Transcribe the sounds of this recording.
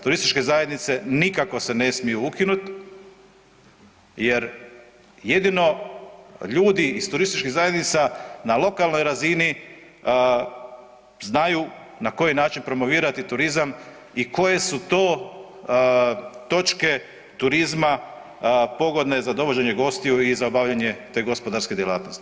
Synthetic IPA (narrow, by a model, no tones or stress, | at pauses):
t̪uɾist̪i̥t͡ʃke̞zaje̞d̪nit̪se̞nikako̞se̞ne̞smijuukinut̪ | je̞ɾ | jed̪ino̞ | ʎuːd̪iːst̪uɾist̪it͡ʃkiɣzaje̞d̪nit̪sanalˠo̞kalˠnojɾazini | znaju | nako̞jinaːt͡ʃinpɾo̞mo̞ʋiːɾat̪it̪uɾizam | iko̞je̞sut̪o̞ː | t̪o̞t͡ʃke̞ | t̪uɾizma | po̞ɡo̞d̪ne̞zad̪o̞ʋo̞d͡ʑe̞ɲeɡo̞st̪iuizaobaʋʎaɲe̞t̪e̞ːɡo̞spo̞d̪aɾske̞d̪jelˠa̰ːt̪nost̪i̥